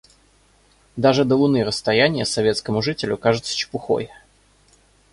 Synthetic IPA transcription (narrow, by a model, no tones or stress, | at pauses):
d̪aʐɨd̪əlˠʊnɨɾəst̪ɐjænʲɪjəsɐvʲe̞t̪skəmʊʐɨtʲɪlʲʊkaʐɨt̪sə̥t͡ɕɪ̥pʊxo̞̰j